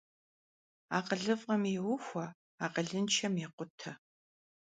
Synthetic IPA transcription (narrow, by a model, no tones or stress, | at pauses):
aːqəɮɨvʁɐmɛwʊxʷɐ | aːqəɮɨnt͡ʃʰɐmjɛqʷʊtʰɐ